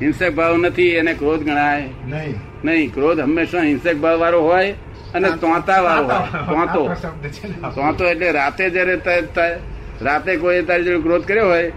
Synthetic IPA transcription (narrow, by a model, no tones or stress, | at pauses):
ɦɪ̃nsek̚bʱaʋõnət̪ʰienekɾoːd̪ɡʱəɽ̃aːe | nəɦĩkɾoːd̪ɦəmːeːsãɦɪ̃nsek̚bʱalʋaːɾoɦoːj | ənet̪ãːt̪aʋaːɾoɦoːjt̪ãt̪o | t̪ãːt̪oeʈleɾaːt̪ed͡ʒaɾet̪aet̪ae | ɾaːt̪ekoiet̪aːɾid͡ʒəɾ̃kɾoːd̪̚kəɾeɦoːj